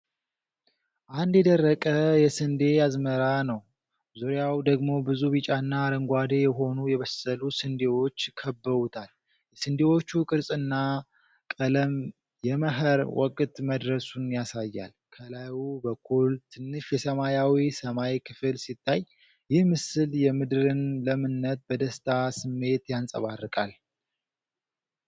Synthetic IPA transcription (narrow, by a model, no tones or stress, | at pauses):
ʔand̪jɛd̪ərːəkʼəjɛsɨnd̪e̞jazməɾanəw | zuɾjawd̪əɡmo̞bɨzuβit͡ʃʼaɨnːaːɾəŋɡʷad̪ejɛɦo̞nujɛβəsəlusɨnd̪e̞wo̞t͡ʃːkʰəbːəɾut̪ʰal | jɛsɨnd̪ewo̞t͡ʃːukʼɨɾsʼɨnːa | kʼələm | jɛməɦəɾwɔ̰kʼt̪məd̪ɾəsunjasajːa̰lkʰəlajubəkʰːult̪ʰɨnːɨʃjɛsəmajawisəmaikʰɨfɨlsit̪ʰːaj | jɪhmɨsɨljɛmɨd̪ɨɾɨnləmɨnːət̪̚bəd̪əst̪ʰasɨmːe̞t̪jansʼə̰βarːɨkʼal